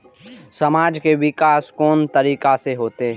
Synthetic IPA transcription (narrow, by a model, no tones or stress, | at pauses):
sɐmaːd͡ʒkeʋɪkaːskɔːnt̪əɾiːkaseɦoːt̪eɦɛ̃